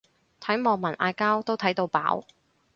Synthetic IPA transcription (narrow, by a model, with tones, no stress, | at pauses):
t̪ʰɐ˨˥jmɔː˨˧ŋmɐ˨˩nʔaː˧jkaː˥wt̪o˥wt̪ʰɐ˨˥jt̪o˧wpa̰ː˨˥w